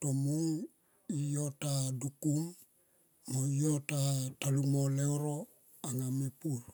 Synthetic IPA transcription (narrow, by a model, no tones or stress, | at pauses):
tomuŋ | ijotadukumː | oijotatalumoleoɾo | aŋamipuɾ